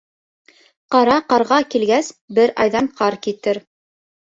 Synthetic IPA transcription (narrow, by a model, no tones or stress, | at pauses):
qɑɾɑqɑɾʁɑkilɡæsbɘɾɑ̰jðɑɴqɑɾkit̪ɘɾ